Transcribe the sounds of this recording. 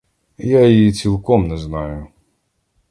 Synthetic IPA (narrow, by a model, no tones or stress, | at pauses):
jait͡sʲilˠkɔmnɛznɑjʊ